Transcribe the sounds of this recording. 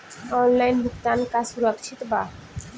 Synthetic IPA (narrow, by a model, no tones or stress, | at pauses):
ɔnlajnbʱukt̪ankasuɾəkʃʰit̪ba